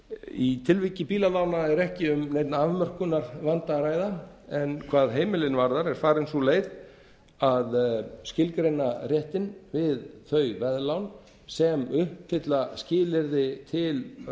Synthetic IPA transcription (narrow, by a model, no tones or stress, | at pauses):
it̪ʰɪlvicɪpiːlalaːwnaɛɾɛhcɪʏmnejt̪naaːvmœr̥kʏnaɾvant̪aɾaːjðaɛnkʰvaːðɦeːjmɪlɪnvaɾðaɾɛɾ̥faːɾɪnsuleːjð | aðscɪlkɾejnarjɛht̪ɪnvɪðθœːɥvɛðlawn | sɛmʏhpfɪt̪lascɪːlɪɾðɪt̪ʰɪl